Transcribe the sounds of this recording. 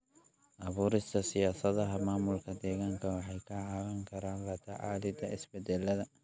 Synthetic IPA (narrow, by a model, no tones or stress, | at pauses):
ʔɐβuːɾɪst̪ʰɐsɪjaːsɐðɐɦɐmaːmʊlkʰɐd̪ɛːɣaːŋkʰɐwɑħɑjkʰɐʕɑwɐŋkʰɐɾaːnlɐt̪ʰɐʕɑ̰ːlɪd̪ɐɪsbɛd̪ɛlɐðɐ